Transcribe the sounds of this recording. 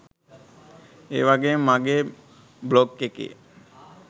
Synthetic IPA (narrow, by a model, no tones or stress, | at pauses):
ḛːʋaɡemaɡeː | blokːekḭ